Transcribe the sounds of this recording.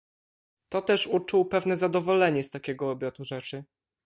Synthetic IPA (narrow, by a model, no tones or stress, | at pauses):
t̪ɔt̪ɛʂut͡ʂuwpɛvnɛzad̪ɔvɔlɛɲɛst̪akʲɛɡɔːbʲjɔt̪uʐɛt͡ʂɘ